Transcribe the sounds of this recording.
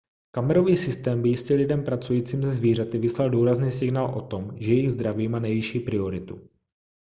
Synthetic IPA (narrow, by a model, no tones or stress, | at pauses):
kamɛɾo̞viːsɪst̪ɛːmbɪjɪscɛlɪdɛmpɾat͡sujiːt͡siːmzɛzviːr̝at̪ɪvɪslalduːɾazniːsɪɡnaːlʔo̞̰t̪o̞mʒɛjɛjɪɣzd̪ɾaviːmaːnɛjvɪʃiːpɾɪo̞ɾɪt̪ṵ